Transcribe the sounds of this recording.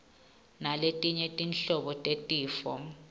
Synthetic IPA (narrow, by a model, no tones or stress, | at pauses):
naletʼiɲetʼinɬɔɓɔtʼetʼiːfɔ̰